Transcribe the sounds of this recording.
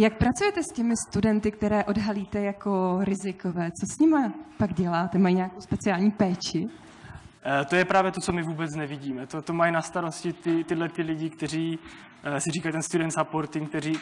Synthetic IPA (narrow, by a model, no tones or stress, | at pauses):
jak̚pɾat͡sujɛt̪ɛscɛmɪst̪udɛnt̪ɪk̚t̪ɛɾɛːʔo̞dɦaliːt̪ɛjakoɾɪzɪkovɛːt͡so̞sɲɪmapaɡɟɛlaːt̪ɛmajiɲeakowspɛt͡sɪaːlɲiːpɛːt͡ʃɪ | t̪o̞jɛpɾaːvjɛt̪ot͡so̞mɪvuːbɛt͡snɛvɪɟiːmɛt̪ot̪omajinast̪aɾo̞scɪt̪ɪt̪ɪdlɛt̪ɪlɪɟɪkt̪ɛɾ̝iː | sɪriːkajt̪ɛnst̪udɛnt̪zapoɾt̪ɪŋk̚t̪ɛɾiː